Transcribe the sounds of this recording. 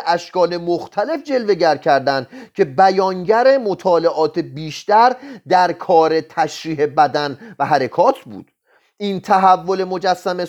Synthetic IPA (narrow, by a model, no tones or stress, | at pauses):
ʔæʃkɒːle̞moxt̪ʰæle̞fd͡ʒe̞lve̞ɟæɾcʰæɾd̪ænd̪cʰe̞bæjɒːŋɟæɾe̞mot̪ʰɒːle̞ʔɒːt̪ʰe̞biːʃt̪æɾd̪æɾkʰɒːɾe̞t̪ʰæʃɾiːhe̞bæd̪ænvæɦæɾe̞kʰɒːt̪ʰbṵːd̪̥ | ʔiːnt̪ʰæɦævːo̞le̞mo̞d͡ʒæsːæme